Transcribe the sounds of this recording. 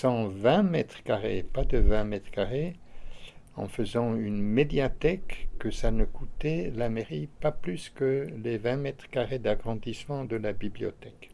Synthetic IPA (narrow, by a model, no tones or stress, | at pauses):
sɑ̃vɛ̃mɛt̪χkaʁḛpad̪əvɛ̃mɛt̪χkaʁe | ɑ̰̃fəzɑ̃ynmed̪jat̪ɛkːəsanəkut̪ɛlameʁipaplyskəlevɛ̃mɛt̪χkaʁed̪aɡʁɑ̃d̪ismɑ̃d̪əlabibliɔ̰t̪ɛk